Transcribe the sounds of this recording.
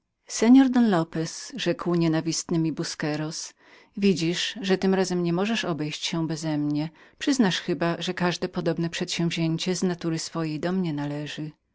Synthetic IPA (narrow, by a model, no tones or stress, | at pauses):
sɛɲɔɾd̪ɔnlɔpɛsʐɛkwɲɛnavʲist̪nɘmʲibuskɛɾɔs | vʲid͡ʑiʂʐɛt̪ɘmɾazɛmɲɛmɔʐɛʂɔbɛjɕt͡ɕɕɛbɛzɛmɲɛpʂɘznaʂxɘbaʐɛkaʐd̪ɛpɔd̪ɔbnɛpʂɛt̪ɕɛ̃w̃vʲʑeɲt͡ɕɛznat̪uɾɘsfɔjejd̪ɔmɲɛnalɛʐɘ